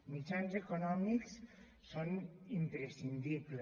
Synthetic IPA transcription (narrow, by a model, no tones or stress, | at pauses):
mit͡ʃanzekonɔmiks | sɔnimpɾesind̪ible